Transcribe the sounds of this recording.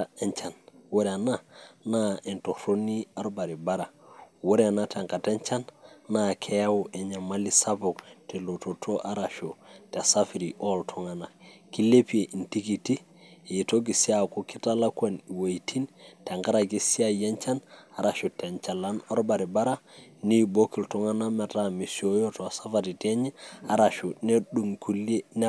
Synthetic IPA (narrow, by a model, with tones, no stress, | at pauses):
ae˦ɲt͡ʃa˨nwo˦ɾe˨a˨na˦na˦e˨nto˨ɾo˦ni˦a˦ɾba˨ɾi˨ba˦ɾa˨wo˦ɾe˦˨nate˨ŋka˨te˦ɲt͡ʃa˦nːa˦kʰe˦a˦wo˨ʔe˨ɲa˨ma˦li˦sa˦po˨kte˨lo˨to˨tʰo˦ʔa˦ɾa˨ʃote˨sa˦fi˨ɾi˨ʔo˦ltʰo˦ŋa˨na˨ki˦le˦pi˦e˨ʔi˨nti˦ki˨ti˦˨ | to˦ɡi˨si˦a˨ko˦ki˦ta˦la˦kwa˦ni˨wa˨jtʰi˦nta˨ŋɡa˦ɾa˨ɡi˦si˦a˦je˦nt͡ʃa˦na˨ɾa˨ʃo˨tɲt͡ʃa˨la˦noɾba˨ɾi˨ba˦ɾa˦ni˦bo˦ki˨lto˦ŋa˦na˦me˨tami˨sio˦jo˦to˨a˨sa˦faɾi˨te˦ɲe˦a˨ɾa˨ʃu˨ne˦ɗu˨ŋku˦li˦e˦n